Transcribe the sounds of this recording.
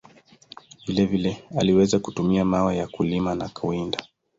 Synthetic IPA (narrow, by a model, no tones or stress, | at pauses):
vilɛvilɛaliwɛzakutumiamawajakulimanakawinda